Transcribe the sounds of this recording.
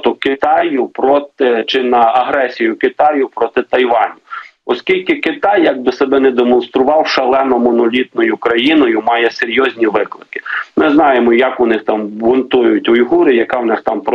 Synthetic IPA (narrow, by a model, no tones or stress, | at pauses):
t̪ʊkɪt̪ɑjʊpɾɔt̪ɪt͡ʃɪnɐɐɦɾɛsʲijʊkɪt̪ɑjʊpɾɔt̪ɪt̪ɐjʋɑnʲʊɔskʲilʲkɪkɪt̪ɑjːɐɡ̚bɪsebɛnɛd̪emɔnst̪ɾʊʋɑwʃɐlˠɛnɔmɔnɔlʲit̪̚nɔjʊkɾɐjinɔjʊmɑjɛseɾʲjɔzʲnʲiʋɪklˠɪkɪ̥mɪznɑjemɔjɐkʊnɪxt̪ɑmbʊnt̪ujʊtʲʊjɦuɾɪjɐkɑwnɪxt̪ɑmpɾɔ